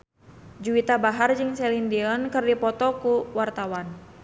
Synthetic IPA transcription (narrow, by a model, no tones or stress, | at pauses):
d͡ʒuit̪abaɦard͡ʒɨŋsɛlindiɔnkɨrdipɔt̪ɔkuwart̪awan